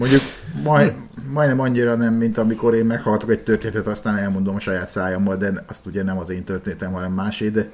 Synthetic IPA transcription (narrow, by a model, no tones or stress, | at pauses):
mo̞ɲɟuk | mɒj | mɒjnɛmɒɲːiɾɒnɛmːint̪ɒmiko̞ɾeːmmɛkhɒlɡɒt̪okɛc̚t̪ørt̪eːnɛt̪ɛt̪ɒst̪aːnɛlmo̞nd̪o̞mɒʃɒjaːt̪saːjomːɒld̪ɛɒst̪uɟɛnɛmɒzeːnt̪ørt̪eːnɛt̪ɛmɦɒnɛmːaːʃeːd̪ɛ